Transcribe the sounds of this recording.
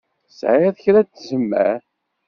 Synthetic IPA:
sʕiðçɾæt͡sːzəmːæ̰

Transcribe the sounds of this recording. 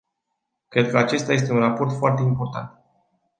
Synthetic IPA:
kɾe̞d̪̚kəat͡ʃe̞st̪aje̞s̬t̪e̞unrapo̞rt̪foart̪e̞impo̞rt̪a̰nt̪

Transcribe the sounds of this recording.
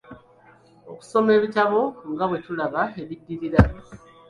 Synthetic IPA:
o̞ku̥so̞me̞ːβitaβo̞ŋɡaβwe̞tulaβaeβidːiɾiɾa

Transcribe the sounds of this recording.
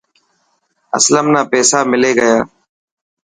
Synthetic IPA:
ə̰sləmnaːpɛːsaːmɪleːɡəjaː

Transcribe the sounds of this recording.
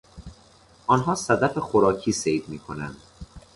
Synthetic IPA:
ʔɒnɦɒːsæd̪æfexoɾɒːcʰiːsejd̪miːkʰo̞næ̰nd̪̥

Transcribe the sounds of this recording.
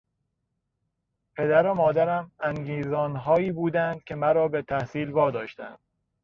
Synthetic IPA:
pʰe̞d̪æɾomɒːd̪æɾæmæŋɡiːzɒːnɦɒːjiːbuːd̪ænd̪̥̚cʲʰe̞mæɾɒːbe̞t̪ʰæhsiːlvɒːd̪ɒːʃt̪æ̰nd̪̥̚

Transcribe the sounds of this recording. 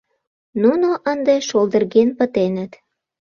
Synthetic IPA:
nunoʔənd̪eʃold̪ərɣenpə̆t̪enə̆t̪

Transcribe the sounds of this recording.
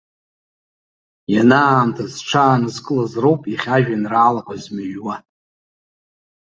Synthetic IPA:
janaːmtʰazʈ͡ʂʰaːnɨzkʼɨlazrowpʼiχʲaʒᶣanraːlakʷʼazmaʒwa

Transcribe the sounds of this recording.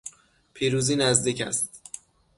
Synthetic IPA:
pʰiːɾuːziːnæzd̪iːcʰæ̰st̪̚

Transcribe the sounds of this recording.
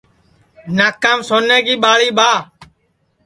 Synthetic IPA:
naːkːaːmsoːneːkiːɓaːɭiːɓaː

